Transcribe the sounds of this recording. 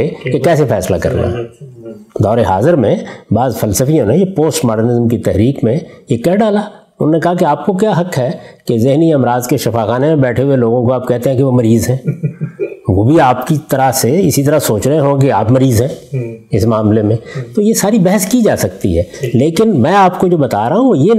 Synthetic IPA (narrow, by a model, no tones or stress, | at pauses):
ekekɛːsefɛːsla̰kɐ̰ɾna̰ː | d̪ɔːɾeɦa̰ːzəɾmẽbaːzfɐlsəfijõnejepoːsʈmaːɖənɪzəmkit̪ɛɦɾiːkmẽjekɛɦɖaːla | ʊnõːnekɐɦakeaːp̚kokjaːɦɐkɦɛːkezɪɦniɐmɾaːzkeʃɐfaːxaːnemẽbɛːʈʰeɦueloːɡõkoaːp̚kɛɦt̪eɦɛ̃keʋomɐɾiːzɦɛ̃ː | ʋoːbʱiaːpkit̪ɐɾaseɪsit̪ɐɾasoːt͡ʃɾɐɦẽɦõkea̰ːpmɐɾiːzɦɛ̃ɪsmaːmlemẽt̪ojesaːɾibɛɦəskid͡ʒaːsɐkt̪ḭɦɛːleːkɪnmɛ̃ːaːpkod͡ʒoːbɐt̪a̰ːɾaːɦũje